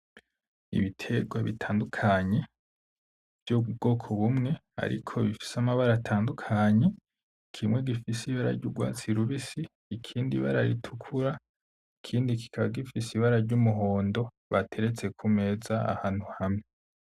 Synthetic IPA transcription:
ḭβitʰe̞ɡwaβḭtʰaːndukʰaɲe̞ | v̥juubɡ̥o̞ːkʰoβumŋe̞a̰ɾḭkʰo̞βifi̥samaβaɾatʰaːndukʰaɲe̞ | kʰimwe̞ɡifisiβaɾa̰ɾɟuɡwa̰ːt͡siɾuβisiː | kʰiːndiβa̰ɾaɾitʰukʰuɾa | ikʰiːndiki̥kʰaβaɡifisiβaɾaɾɟumuɦo̞ːndo̞ | βatʰe̞ɾe̞t͡se̞kʰume̞ːzaa̰haːn̥huhamŋe

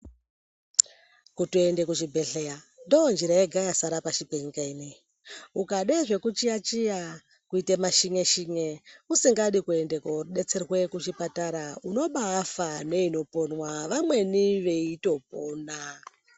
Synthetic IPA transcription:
kutuende̞kuʐibʱe̞ɬeja | ndoːnd͡ʒiɾajeɡʱajasaɾapaʃipeɲikainei | ukaɗeʐe̞kut͡ʃiat͡ʃija | kuitemaʃiŋe̞ʃiŋeusiŋɡaɗikue̞nde̞koɗet͡serwe̞kut͡ʃipataɾauno̞ɓaːfane̞ino̞po̞nwaʋamwe̞niʋe̞ito̞poːna

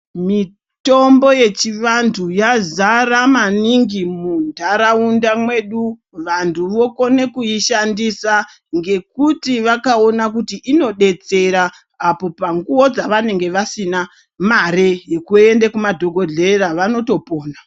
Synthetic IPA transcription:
mi | to̞mbo̞je̞t͡ʃiʋantʰujazaramaniŋɡimundʱaɾaundamwe̞ɗu | ʋantʰuʋo̞ko̞ne̞kuiʃandisa | ŋɡe̞kutiʋakao̞nakutiʔino̞ɗe̞t͡se̞ɾaː | po̞paŋɡuwo̞d͡zaʋane̞ŋɡe̞ʋasina | marejekue̞ndekumadʱo̞ɡʱo̞ɮe̞raʋano̞to̞po̞ːna

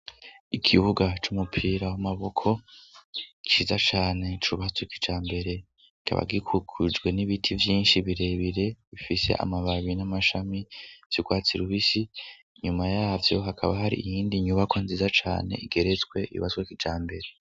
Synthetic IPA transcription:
ikʰiβuɡat͡ʃumupʰiːɾawamaβo̞kʰo̞ | t͡ʃiːzat͡ʃaːne̞t͡ʃuβasweki̥d͡ʒaːmbe̞ɾe̞ | ikʰa̰βa̰ɡikʰukʰud͡ʒɡwe̞niβitʰivjiːnʃiβiɾe̞βiɾe̞βifise̞̰ʔa̰maβaβinamaʃamiv̥jiɡwaːt͡siɾuβisi | ɲumajaːvjo̞ɦakʰaβaɦaɾḭijiːndiɲuβakonziːzat͡ʃa̰ːne̞̰iɡe̞ɾet͡swe̞ḭṵβaswekid͡ʒaːmbe̞ɾe̞

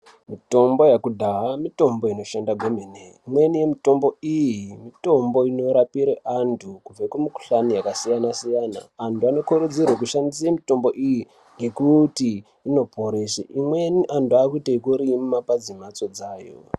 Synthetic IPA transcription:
mito̞mbo̞jakudʱaɦamito̞mbo̞ino̞ʃandaɡʱomeneimwe̞nije̞mito̞mbo̞ijimito̞mbo̞ino̞ɾapiɾeʔantʰukub͡vekwemiku̥ɬanijakasijanasijana̰ːntuano̞kuɾud͡zirwak̬uʃandis̬emito̞mbo̞ʔiji | ŋɡe̞kutiː | no̞pʰo̞ɾeʃeʔimwe̞niʔantuakuitekuɾimumapad͡zimat͡so̞d͡zaːjo̰

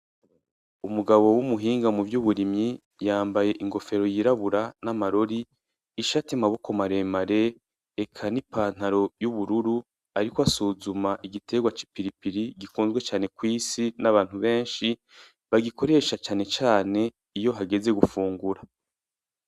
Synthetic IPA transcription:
umuɡaβo̞wumuɦiːŋɡamuvjuβuɾimɲi | jaːmbaje̞ʔiŋɡo̞fe̞ɾo̞jiɾaβuɾanamaɾo̞ɾiː | ʃatimaβo̞ko̞maɾe̞ːmaɾe̞ | ekʰanipaːn̥aɾo̞juβuɾuɾu | aɾikoasuzumaʔiɡitʰe̞ːɡwat͡ʃi̥piɾipiɾiɡikuːnzɡwe̞t͡ʃaːne̞kwiːsinaβaːn̥uβe̞ːnʃi | βaɡiko̞ɾe̞ʃat͡ʃaːne̞t͡ʃaːne̞ | ijo̞ɦaɡe̞ze̞ɡufuːŋɡuɾa

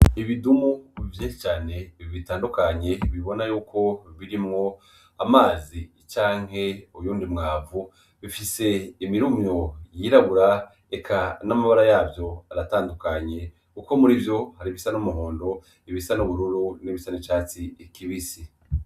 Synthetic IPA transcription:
iβidumuvjĩːnʃi̥t͡ʃaːne̞iβitaːndukaɲe̞βiβo̞najuːkʰo̞βiɾimŋo̞ | amaːzi | t͡ʃaːŋ̥he̞ujuːndimŋaːvu | βifise̞imiɾumɲojiɾaβuɾa | ekʰanamaβaɾajaːvjo̞aɾataːndukaɲe̞ | kuko̞muɾivjo̞haɾiβisanomuɦoːndo̞ | iβisanoβuɾuɾuniβisanit͡ʃaːt͡sikiβisi

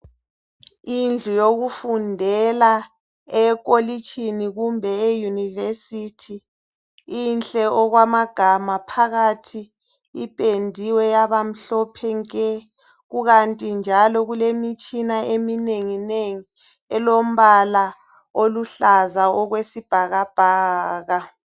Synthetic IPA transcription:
ind͡ɮʱujoɣufundʱɛla | ɛk̬ʼolit͡ʃʰʼiniɣumbʱɛɛjunivesitʰiː | nɬʼɛʔɔɣwamaɡ̥ʱamapʰaɣatʰi | ipʼendʱiwɛjaβam̩ɬɔpʰɛŋkʼɛ | ɣuɣantʼind͡ʒʱalɔɣulemit͡ʃʼinaʔemineŋineŋi | ɛlom̩βala | oluɬazaɔɣwesib̥ʱaɣab̥ʱaːɣa

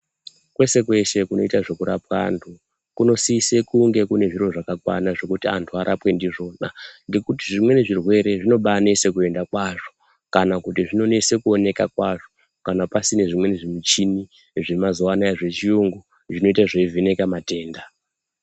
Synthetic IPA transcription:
kwe̞se̞kwe̞se̞kuno̞itaʐo̞kuɾap̚waːntʰu | kuno̞siːsekuŋɡe̞kune̞ʐiɾo̞ʐakakwa̰naʐo̞kutiantʰuaɾʔapwe̞ndiʐo̞ːnaŋɡe̞kutiʐimwe̞neʐirwe̞ɾe̞ʐino̞ɓanesekue̞ndakwaʐo̞ | kanakutiʐino̞nese̞kuo̞ne̞kakwaʐo̞̥ | kanapasine̞ʐimwe̞neʐimit͡ʃini | ʐemazowanaeʐe̞t͡ʃiuŋɡu | ʐino̞itaʐeivʱine̞kamate̞ːnda

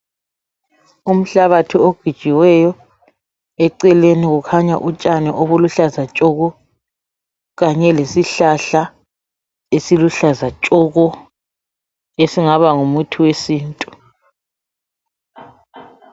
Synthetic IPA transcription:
um̩ɬaβatʰioɡ̥ʱid̥ʒ̥ʱiwɛjɔ | ɛǀɛleniɣukʰaɲa̰ʔut͡ʃʼanɛʔoβuluɬazat͡ʃʼɔɣɔ | ɣaɲɛlesiɬaɬa | esiluɬazat͡ʃʼɔɣɔ | esiŋaβaŋumutʰuwesiːntʼu

